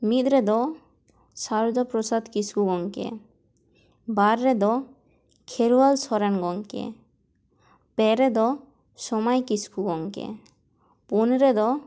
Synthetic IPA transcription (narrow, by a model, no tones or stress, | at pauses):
mit̪ɾɛd̪ɔ | saɾud͡ʒapɾosad̪kiskuɡɔŋkḛ | baɾːɛd̪ɔ | kʰeɾualsɔɾɛnɡɔŋkḛ | pɛɾɛd̪ɔ | sɔmajkiskuɡɔŋkḛ | punɾɛd̪ɔ